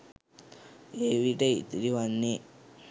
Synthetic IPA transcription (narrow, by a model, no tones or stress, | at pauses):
eːʋiʈɐḭt̪iɾiʋanːe